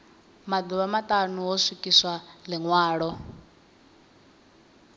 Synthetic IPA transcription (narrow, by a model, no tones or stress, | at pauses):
mad̪uβamatʼanuɦɔsikʼiswaliŋwaːɺɔ